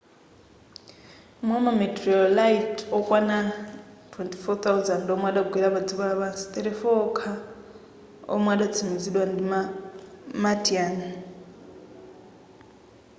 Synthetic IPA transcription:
mwamamɛtʼrɔlaitʰɔkʼwanatʰwɛntʰʼi̥fɔt̪awzandɔmwaɗaɡʱwiɺaβad͡ziβalaβasi̥t̪ʼɛɾɛfɔːkʰa | ɔ̰mwaɗat͡sʰimiziɗwandima | matʰiaːni

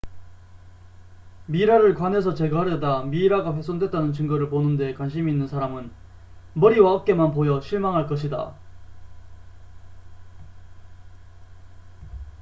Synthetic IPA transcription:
miɾaɾɯɭkwane̞sʰʌt͡ɕe̞ɡaaɾjʌdamiːɾaɡaɸweks͈ʌŋdwet̚t͈anɯnt͡ɕɯŋɡʌɾɯɭponɯnde̞kwanɕʰimiːnːɯnsʰaɾamɯn | mʌɾiwaʌp̚k͈e̞manpojʌɕʰiɭmaŋɦaɭk͈ʌɕʰida̰

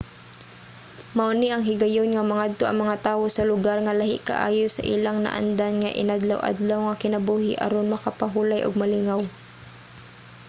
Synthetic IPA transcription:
mɐʔʊniʔɐŋɦɪɡɐjonŋɐmɐŋad̪̚t̪oʔɐ̰ŋmɐŋat̪aːwosɐlʊɡaɾŋɐlaɦɪ̰ʔka̰ʔa̰ːjosa̰ʔilaŋna̰ʔa̰nd̪anŋaʔɪ̰nad̪lawʔa̰d̪lawŋakɪnɐbuːhɪʔɐ̰ɾonmɐkapaɦuːlajʔʊ̰ɡ̚mɐlɪŋaw

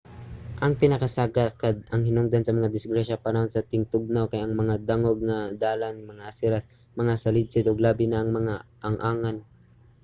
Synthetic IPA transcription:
ʔɐŋpɪnɐkasaːɡakad̪̚ɐŋhɪnʊŋd̪ansɐmɐŋad̪ɪsɡɾaʃapanɐho̞nsɐt̪ɪŋt̪ʊɡ̚nawkajɐŋmɐŋad̪aŋoɡ̚ŋad̪aːlanmɐŋasɪɾas | mɐŋasalɪd̪̚sɪd̪ʊɡlaːbɪnaʔːŋmɐŋaʔaŋʔaːŋan

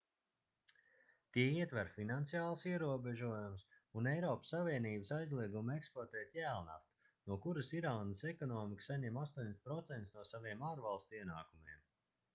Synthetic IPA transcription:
t̪iɛiɛt̪væɾfinant̪sijaːlˠsiɛɾuɔbɛʒuɔjumsunɛjɾɔːpsːaviɛniːbəsajzlˠiɛɡumɛkspɔɾt̪ɛːt̪ʲjæːlˠna̰ft̪ | nuɔkuɾəsiɾaːnəsɛkɔnɔːmiksaɲɛmast̪uɔɲʲspɾɔt̪sɛnt̪snuɔsaviɛmaːɾvalˠst̪uiɛnaːkumiɛm

